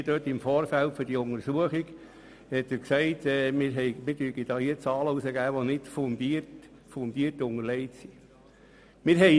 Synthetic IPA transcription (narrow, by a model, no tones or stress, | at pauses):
d̥øːtɪmfɔːɾfæltfʏɾd̥iʊŋəɾsuəχiɡ | hɛtəɾksæɪtɛːmɪɾɦɛɪmɪdyːɡid̥ɑːhiːət͡sɑːləusəɡæːʋonɪtfond̪iərt | fondiːrtʊŋəɾlɛɪtsi | mɪːɾɦɛ